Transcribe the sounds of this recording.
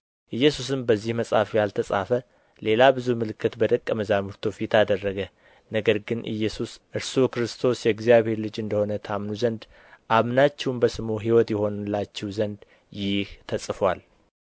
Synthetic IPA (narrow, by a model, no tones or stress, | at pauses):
ʔɨjːɛsus̬ɨmbəzːihməsʼafjalt̪ʰəsʼa̰fə | le̞labɨzumɨlɨkʰːɨt̪bəd̪əkʼːəməzamuɾt̪ʰofit̪ʰad̪ərːəɡə | nəɡəɾɡɨnʔɨ̰jːɛsusʔɨɾsukɾɨst̪ʰo̞sjɛɡzijaβhe̞ɾlɨd͡ʒɨnd̪əho̞nət̪ʰamnuzənd̪ | ʔaβnat͡ʃːɛwmbəsɨmoɦiwɔt̪jɛho̞nlːat͡ʃːɛwzənd̪ | jɪht̪ʰəsʼfwal